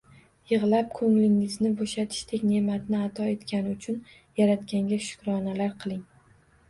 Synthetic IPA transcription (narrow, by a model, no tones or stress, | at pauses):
jɨʁlˠap̚kʰɵŋlɪŋɪznɪboʃat̪ʰɪ̥ʃt̪ʰekʲne̞mat̪nɪat̪ʰɒe̞t̪kʲʰanɪʊt͡ʃʰʊn | jaɾat̪kʲaŋɡʲaʃʊ̥kʲɾɒnalaɾqʰɨlˠɪŋ